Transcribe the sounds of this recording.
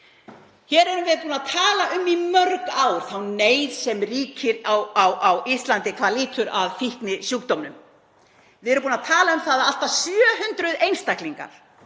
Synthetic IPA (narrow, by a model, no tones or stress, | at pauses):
çɛːɾɛɾʏmvɪðpuːnaðt̪ʰaːlaʔʏmːimœɾkaːwɾ̥θawneːjðsɛmriːcʰɪɾawawʔawist̪lant̪ɪkʰvaːɾliːt̪ʏɾaðfihknɪsjukt̪ɔmnʏm | vɪɛɾʏmpuːnaðt̪ʰaːlaʏmθaːðaal̥t̪asjœːɦʏnt̪ɾʏðejnst̪ahkliŋka̰ɾ̥